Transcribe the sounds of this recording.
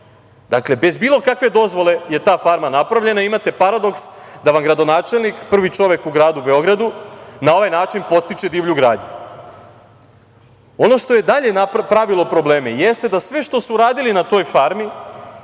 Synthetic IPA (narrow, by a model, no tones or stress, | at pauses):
d̪akle̞be̞zbiːlˠo̞kakʋe̞d̪o̞zʋo̞le̞je̞t̪aːfaɾmanapɾaʋʎe̞naiimat̪e̞paɾad̪o̞ksd̪aʋamɡɾad̪o̞naːt͡ʃe̞lˠnikpr̩ʋit͡ʃo̞ʋekuɡɾaːd̪ube̞o̞ɡɾad̪unao̞ʋajnaːt͡ʃinpo̞t̪st̪it͡ʃe̞d̪iːʋʎuɡɾaːd̪ɲu | o̞no̞ʃt̪o̞je̞d̪aʎe̞napɾaʋilo̞pɾo̞bleːmeje̞st̪e̞d̪asʋeʃt̪o̞suɾaːd̪ilinat̪o̞ːjfaɾmi